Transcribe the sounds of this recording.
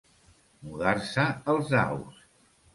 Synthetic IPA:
muðaɾsəəlˠzna̰ws

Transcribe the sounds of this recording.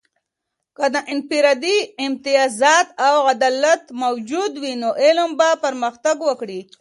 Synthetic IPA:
kəd̪əʔɪnpiɾɑd̪iɪmt̪ɪjɑzɑt̪awɣad̪alat̪mawd͡ʒud̪winoʔɪlmbapəɾməxt̪aɡwəkɽi

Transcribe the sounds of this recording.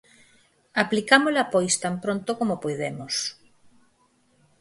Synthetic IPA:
aplikamolapojst̪ampɾõnt̪okomopojðemos

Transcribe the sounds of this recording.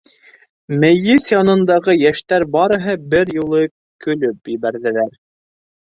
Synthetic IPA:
mæjɘsjɑnɤ̆nd̪ɑʁɤjæʃt̪æɾbɑɾɤ̆ɦɤbɘɾjŭlˠɤ | kɵ̆lɵpjiβæɾðɘ̆læɾ

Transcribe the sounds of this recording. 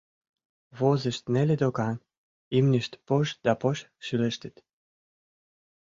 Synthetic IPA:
vozəʃt̪nelʲed̪okɑn | imniʃt̪poʃd̪ɑpoʃ | ʃyləʃt̪ət̪

